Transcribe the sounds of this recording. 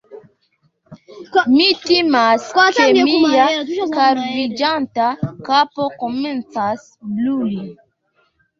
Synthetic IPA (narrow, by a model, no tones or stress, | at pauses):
mitimaskemijakaɾvid͡ʒantakapokɔmɛ̃nt͡sas | bluli